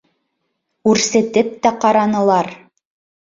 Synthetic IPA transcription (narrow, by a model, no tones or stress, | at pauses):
kʉɾsɘ̆t̪ɘp̚t̪æqɑɾɑnɤ̆lˠɑɾ